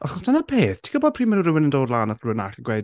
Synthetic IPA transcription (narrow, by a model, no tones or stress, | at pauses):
ʔaχɔsd̥anəpʰeːθtʰi̥kʰɔbɔd̚pʰr̥iːmɛnuɾɪwɪnəndoːdlˠaːnatʰlʊna̰χəɡwejd